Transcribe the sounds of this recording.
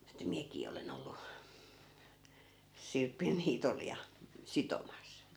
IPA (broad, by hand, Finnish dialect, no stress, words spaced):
etːæ miækiː olen olːu sirpin niːtol jɑ sitomɑs